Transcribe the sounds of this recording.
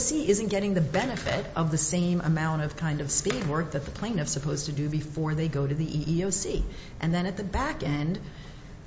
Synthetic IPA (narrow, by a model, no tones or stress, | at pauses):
siʔɪzɨ̃nɡ̥ɛɾɪ̃ŋðɨbɛnɨfɪ̰ɾʌvðɨsẽɪ̃mʔə̰mãʊ̃ɾ̃ʌv̥kʰãɪ̃ndʌv̥spid̚wɜ˞k̚ðɨt̪̚ðəpʰl̥ẽɪ̃nʌfsɨpʰoʊz̥tʰɨdɨbɨfɔɹðeɪɡoʊɾɨðiʔiʔioʊsiʔɨ̃nðɨ̃ɾ̃ɨt̪̚ðɨbækɛ̃nd̥